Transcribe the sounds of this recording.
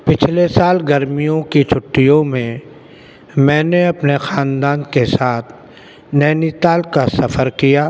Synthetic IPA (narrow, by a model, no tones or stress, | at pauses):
pɪt͡ʃʰlesaːlɡɐɾmijõkit͡ʃʰʊʈːijõmẽ | mɛ̃ːneɐpnexaːnd̪aːnkesaːt̪ʰ | nɛːnit̪aːlkasɐfəɾkijaː